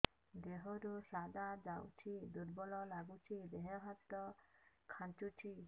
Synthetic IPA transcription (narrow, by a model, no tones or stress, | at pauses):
d̪eɦɔɾusad̪ad͡ʒawt͡ʃʰid̪uɾbɔlɔlaɡut͡ʃʰid̪eɦɔ̃ɦat̪ɔ | kʰãnt͡ʃut͡ʃʰi